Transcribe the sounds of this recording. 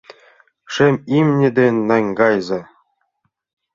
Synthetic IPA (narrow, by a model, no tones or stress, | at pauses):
ʂɘ̆mʲimnʲɘ̆d̪ʲenʲnɑŋʲɡɑjzɤ